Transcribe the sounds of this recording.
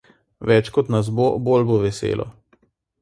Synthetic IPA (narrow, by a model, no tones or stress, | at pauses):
ʋɛt͡ʃkɔt̪nas̬bobolboʋɛsḛːlʔɔ̰